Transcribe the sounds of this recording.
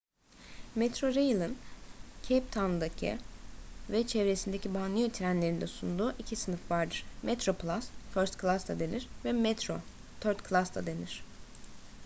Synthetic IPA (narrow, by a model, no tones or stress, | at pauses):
mɛt̪ɾo̞ɾejlˠɯncʰep̚t̪ʰanɯd̪acʰḭ | vɛt͡ʃʰɛvɾesind̪ecʰibanˠɯjet̪ʰiɾænlʲe̞ɾind̪ɛsund̪uːʔicʰisɯnɯfvaɾd̪ɯɾ̥mʔɛt̪ɾo̞plˠasføɾst̪klˠasd̪ʰad̪e̞niɾ̥vɛmɛt̪ɾo | t̪ʰøɾt̪kʰlˠasd̪ʰa̰d̪e̞niɾ̝̥